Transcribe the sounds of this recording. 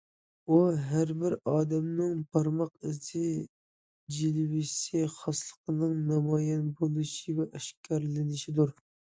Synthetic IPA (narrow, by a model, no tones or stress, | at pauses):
uɦæɾbɪɾɑːd̪ɛmnɪŋpʰɑɾmɑqɪsɪ | d͡ʒilwɪsiχɑslˠəqʰənɨŋnɑmɑjɛnbolˠɨʃivɛʔɛʃkʲʰæɾlɪnɪʃid̪uɾ